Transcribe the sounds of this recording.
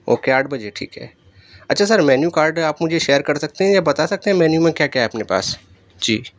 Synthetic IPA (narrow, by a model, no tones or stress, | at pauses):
o̰ːkeaːɾɖbɐd͡ʒeʈʰḭːkɦɛ̰ː | ɐtːʃʰasɐɾmɛːnjukaːɾɖaːpmʊd͡ʒʱeʃeːəɾkɐɾsɐk̚t̪eɦɛ̃jabɐt̪asɐk̚t̪eɦɛ̃mɛːnjumẽkjaːkjaɦɛɐpnepa̰ːs | d͡ʒiː